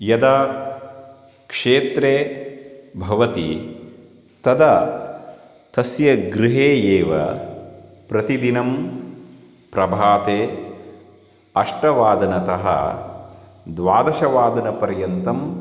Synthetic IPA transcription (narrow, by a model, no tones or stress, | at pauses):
jɐd̪ɐ | kʂeːt̪ɾeː | bʱɐʋɐt̪i | t̪ɐd̪ɐ | t̪ɐsjɐɡɾɪɦeːeːʋɐ̰ | pɾɐt̪id̪inɐm | pɾɐbʱaːt̪eː | ɐʂʈɐʋaːd̪ɐnɐt̪ɐɦɐ̰ | d̪ʋaːd̪ɐʃɐʋaːd̪ɐnɐpɐɾjɐnt̪ɐm